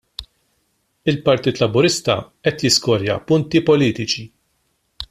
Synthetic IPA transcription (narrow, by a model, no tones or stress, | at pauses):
ɪlpɐɾt̪iːt̪lɐbʊɾɪst̪ɐ̰ | ɛt̪jɪskɔɾjɐ̰pʊnt̪ipɔliːt̪ɪt͡ʃi